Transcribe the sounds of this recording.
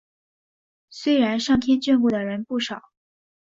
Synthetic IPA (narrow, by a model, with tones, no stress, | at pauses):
swe˥ɪɻa˧˥nʂɑ˥˩ŋt̪ʰjɛ˥nt͡ɕɥy˥˧npu˥˩d̪ə˩ɻə˧˥npu˥˩ʂɑ˨˩˦ʊ